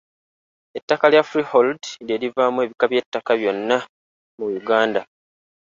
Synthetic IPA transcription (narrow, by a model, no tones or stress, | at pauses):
e̞tːakaljafuɾiholdle̞ːlivaːmue̞ːβikaβje̞tːakaβjo̞nːa | mujuɡaːnda